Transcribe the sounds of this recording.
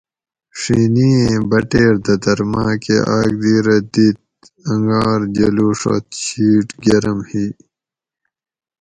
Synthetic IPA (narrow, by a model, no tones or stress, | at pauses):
ʂiːniẽbɐʈeːɾd̪ɐd̪ɐɾmãːkḛʔaːɡd̪iːɾɐd̪it̪̚ | ɐŋɡaːɾd͡ʑɐluːʂo̰t̪ɕiːʈɡɐɾɐmhiː